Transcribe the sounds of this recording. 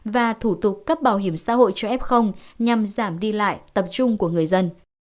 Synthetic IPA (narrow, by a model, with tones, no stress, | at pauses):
vaː˨˩t̪ʰu˧˩t̪ʊ˨˩k̚ka˦˥p̚ɓaː˧˩wɦi˧˩əmsa̰ː˧˥ɦo̰˧˨jt͡ɕɔ˧ʔɛ˦˥p̚xə˧wŋ͡mɲa˨˩mzaː˧˩mɗi˧la̰ː˧˨jt̪ə˨˩p̚t͡ɕʊ˧ŋ͡mku˧˩əŋɨ˨˩əjzə˧n